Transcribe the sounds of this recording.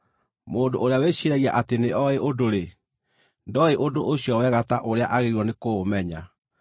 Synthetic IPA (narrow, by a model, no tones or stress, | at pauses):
moːndoʔoɾeaweɕiɾɛɣiaʔateneɔeʔodoɾe | ndɔeʔodoʔoɕjɔwɛɣataʔoɾeaʔaɣeɾwɔnekomɛɲa